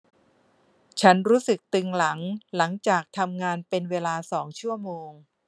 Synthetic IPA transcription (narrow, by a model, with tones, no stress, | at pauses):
t͡ɕʰa˦˥nɾuː˦˥sɯ˨˩k̚t̪ɯ˧ŋla˩˦ŋla˩˦ŋt͡ɕaː˨˩k̚t̪ʰa˧mŋaː˧npe˧nweː˧laː˧sɔː˩˦ŋt͡ɕʰu˥˩ɐmoː˧ŋ